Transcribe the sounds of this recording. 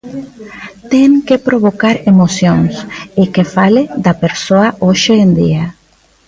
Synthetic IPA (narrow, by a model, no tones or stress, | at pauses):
t̪eŋkepɾoβokaɾemosjoŋsekefaled̪ɐpeɾsoaʔoʃeːnd̪ḭa